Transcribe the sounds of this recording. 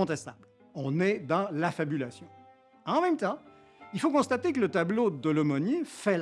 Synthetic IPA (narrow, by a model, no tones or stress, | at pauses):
ɔ̃t̪ɛst̪abl | ɔ̃nɛd̪ɑ̃lafabylasjɔ̃ | ɑ̃mɛmt̪ɑ̃ | ilfokɔ̃st̪at̪ekələt̪ablod̪əlɔmɔnifɛl